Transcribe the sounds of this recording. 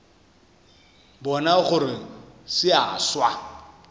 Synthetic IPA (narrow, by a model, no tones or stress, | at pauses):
bɔnaχʊrɪsɪaːswa